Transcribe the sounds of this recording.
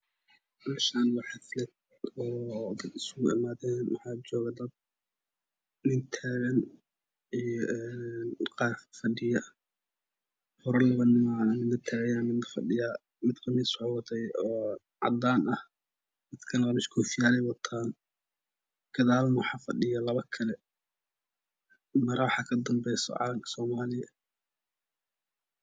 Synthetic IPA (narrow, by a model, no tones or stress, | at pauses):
mʃaːnwɑħɑslɛt̪ | ɔːd̪ɐd̪ɪsʊɣʊɪmaːðɛːnwɑ̰ħɑːt͡ʃɔːɣɐd̪ɐd̪̚ | nɪnt̪ʰaːɣɐn | ijɔʔɛnqɑːrfɐɗɪjɐ | hɔɾɐlɐβɐnɪmamɪnɐt̪ʰaːɣɐjaːmɪnɐfɐɖɪjaː | mɪd̪kʰɐmɪsʊʕwɑt̪ʰɛjɔː | ʕɑ̰d̪aːnɐh | d̪ɪd̪kʰɐnɐɐmɪskʰɔfɪjaːlɛjwɐt̪ʰaːn | ɡ̥ɐðaːlnɐwħɑːfɐɖɪjɐlɐβɐkʰɐlɛ | mɐɾɐwħɑːkʰɐd̪ɐmbɛjsɔ̰ʕɑ̰ːlɐmkʰɐ̥sɔːmaːlɪjɐ